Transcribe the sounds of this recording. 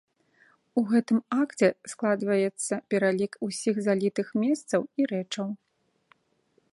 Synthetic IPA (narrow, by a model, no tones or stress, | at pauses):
uɣɛt̪ɨmakt͡sʲɛsklˠad̪vɐjɛt̪sːɐpʲɛɾalʲikusʲiɣzalʲit̪ɨxmʲɛst̪sɐwiɾɛt͡ʂɐw